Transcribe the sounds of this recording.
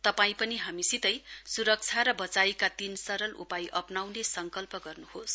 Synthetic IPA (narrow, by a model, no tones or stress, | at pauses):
t̪ʌpaĩpʌniɦamisit̪ʌjsuɾʌk̚t͡sʰaɾʌbʌt͡sajkat̪insʌɾʌlʔṵpajʔʌpnawnesʌŋkʌlpʌɡʌrnuhos